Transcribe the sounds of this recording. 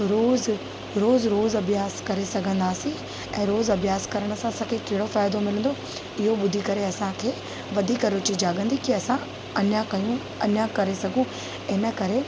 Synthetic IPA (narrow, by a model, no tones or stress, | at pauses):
ɾoːz | ɾoːzɾoːzɐbʱjaːskɐɾesɐɡʱə̃nd̪aːsĩ | ɛ̃ːɾoːzɐbjaːskɐɾəɽ̃əsãɐsãkʰekeɦɪɽofaːɪd̪omɪlə̃nd̪o | ɪɦoɓʊd̪ʱikɐɾeɐsãkʰeː | ʋɐd̪ʱiːkɐɾʊt͡ɕid͡ʑaːɡə̃nd̪ikiɐsã | ɐnjãkɐjũ | ɐnjãkɐɾesɐɡʱũ | ɪnə̆kɐɾe